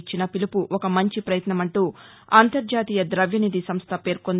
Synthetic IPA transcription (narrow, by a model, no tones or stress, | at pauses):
t͡ʃːinɐpilipuʔɔkɐmɐɲt͡ʃipɾɐjɐt̪nɐmɐɳʈuː | aːnt̪ɐɾd͡ʒaːt̪iːjɐd̪ɾɐʋjɐnid̪isɐmst̪ʰɐpe̞ːɾkon